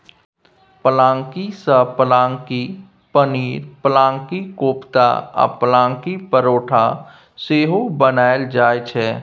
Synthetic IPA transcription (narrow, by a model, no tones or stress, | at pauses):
pəlãːŋkisəpəlaːŋki | pəniːɾpəlãːŋkikoːpt̪a̰a̰pəlãːŋkipəɾoːʈʰa | seːɦobənaːeld͡ʒaːjt͡ʃʰɛː